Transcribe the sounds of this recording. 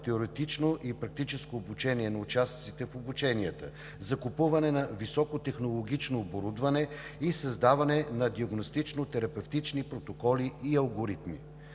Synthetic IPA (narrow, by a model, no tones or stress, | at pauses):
t̪ɛoɾɛt̪it͡ʃnoʔipɾɐk̚t̪it͡ʃɛskoːbut͡ʃɛniɛnɐut͡ʃast̪sit̪ɛfobut͡ʃɛniət̪ə̰ | zɐkupuvɐnɛnɐvisɔkot̪ɛxnolˠoɡit͡ʃnoːboɾud̪vɐnɛisɐzd̪avɐnɛnɐd̪iɐɡnost̪it͡ʃnot̪ɛɾɐpɛft̪it͡ʃnipɾot̪okɔliʔiɐlˠɡoɾit̪mḭ